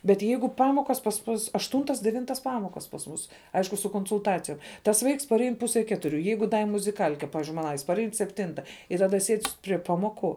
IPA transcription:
bʲɛt ˈjɛɪɡʊ ˈpɑːmoːkɐs pɐs ˈmʊs ɐʃˈtuːntɐs dʲɛˈʋʲɪntɐs ˈpɑːmoːkɐs pɐs ˈmuːs ˈɐɪʃkʊ sʊ koːnsʊlˠˈtɑːt͡sʲɪjoːm tɐs ˈʋɐɪks pɐrʲˈɛɪn ˈpʊsʲɛ ˈkʲæːtʊrʲʊ ˈjɛɪɡʊ dɐ ɪ mʊzʲɪˈkɐlʲkʲɛ ˈpɑːʋʲɪzʲd͡ʒʲʊɪ ˈmɑːnɐ pɐrʲˈɛɪn sʲɛpʲˈtʲɪntɐ ɪ tɐˈdɐ sʲiɛtʲ pʲrʲiɛ ˈpɑːmoːˌkʊ

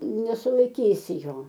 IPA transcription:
nʲɛsʊlˠɐɪˈkʲiːsʲɪ ˈjoː

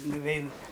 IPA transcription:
nʊˈʋʲɛɪn

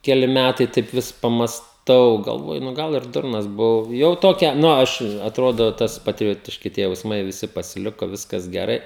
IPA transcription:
kʲɛˈlʲɪ ˈmʲætɐɪ tɐɪp ˈʋʲɪs pɐmɐsˈtɐʊ ɡɐlˠˈʋoːjʊ nʊ ˈɡɐlˠ ɪr ˈdʊrnɐs bʊˈʋɐʊ jɛʊ ˈtoːkʲɛ ˈnʊ ˈɐʃ ɐtˈroːdoː ˈtɐs pɐtʲrʲɪˈjoːtʲɪʃʲkʲɪ tʲiɛ jɛʊsˈmɐɪ ʋʲɪˈsʲɪ pɐsʲɪˈlʲɪkoː ˈʋʲɪskɐs ɡʲɛˈrɐɪ

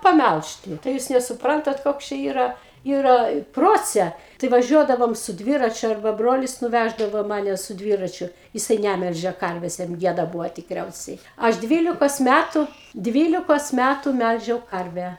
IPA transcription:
pɐˈmʲælʲʃʲtʲɪ tɐɪ ˈjuːs nʲɛsʊˈprɐntɐt ˈkoːks t͡ʃʲɛ ˈiːrɐ ˈiːrɐ ˈproːt͡sʲɛ tɐɪ ʋɐˈʒʲuɔdɐʋoːm sʊ ˈdʲʋʲɪrɐt͡ʃʲʊ ɐrˈbɐ ˈbroːlʲɪs nʊˈʋʲæʒdɐʋoː ˈmɑːnʲɛ sʊ ˈdʲʋʲiːrɐt͡ʃʲʊ jɪˈsɐɪ ˈnʲæmʲɛlʲʒʲeː ˈkɐrʲʋʲeːs jɛm ˈɡʲiɛdɐ ˈbuːʋoː tʲɪkˈrʲɛʊsʲɛɪ ˈɐʃ ˈdʲʋʲiːlʲɪkoːs mʲætʊ ˈdʲʋʲiːlʲɪkoːs ˈmʲætʊ ˈmʲælʲʒʲɛʊ ˈkɐrʲʋʲæː

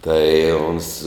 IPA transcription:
ˈtɐɪ ʊns

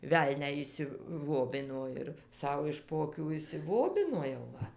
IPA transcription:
ˈʋʲɛlʲnʲæː ɪʃʲsʲɪˈʋoːbʲɪnoː ɪr ˈsɐʊ ɪʃ poː ɐˈkʲuː ɪʃʲsʲɪˈʋoːbʲɪnoː jɛʊ ˈʋɐ

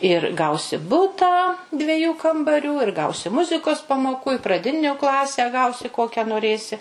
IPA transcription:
ɪr ˈɡɐʊsʲɪ ˈbʊtɑː dʲʋʲɛˈjuː kɐmbɐˈrʲuː ɪr ˈɡɐʊsʲɪ ˈmʊzʲɪkoːs pɐmoːˈkuː ɪ prɐˈdʲɪnʲʊ ˈklˠɑːsʲæː ˈɡɐʊsʲɪ ˈkoːkʲæː noːˈrʲeːsʲɪ

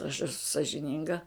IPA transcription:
ɐʃ ɛˈsʊ sɐʒʲɪˈnʲɪŋɡɐ

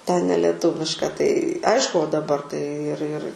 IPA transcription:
tʲɛn nʲɛlʲɛˈtʊʋʲɪʃkɐ tɐɪ ˈɐɪʃkʊ oː dɐˈbɐr tɐɪ ɪr ɪr

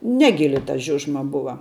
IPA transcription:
ˈnʲæːɡʲɪlʲɪ tɐ ˈʒʲʊʒmɐ ˈbʊʋɐ

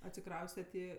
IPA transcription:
ɐtʲsʲɪˈkrɐʊsʲtʲɛt ɪ

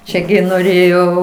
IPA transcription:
ˈt͡ʃʲɛ ɡʲɪ noːˈrʲeːjoː

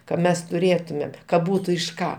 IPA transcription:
kɐ ˈmʲɛs tʊˈrʲeːtʊmʲeːm kɐ ˈbuːtʊ ɪʃ ˈkɑː

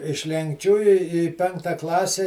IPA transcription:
ɪʃ lʲɛŋkˈt͡ʃʲuː ɪ ɪ ˈpʲɛŋktɐ ˈklˠɑːsʲɛ

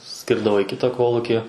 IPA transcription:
ˈsʲkʲɪrdɐʋoː iː ˈkʲɪtɑː ˈkoːlˠʊkʲɪ

